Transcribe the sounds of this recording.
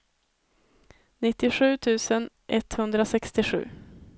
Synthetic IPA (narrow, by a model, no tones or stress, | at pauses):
nɪt̪ːɪɧʉ̟ːt̪ʰʉ̟ːsən | ʔɛt̪hɵnd̪ɾasɛkst̪ɪɧʉ̟̰ː